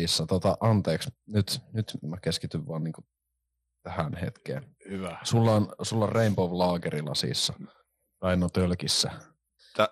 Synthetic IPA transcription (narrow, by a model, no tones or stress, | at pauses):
isːɑt̪ot̪ɑʔɑnt̪eːksnyt̪nyt̪mækeskit̪yʋʋɑːnniːŋku | t̪æhænhḛt̪kḛːnhyʋæsulːɑnsulːɑrreimpoʋlɑːkerilɑ̰sḭsːɑ | rɑˑinot̪ølkisːæ̰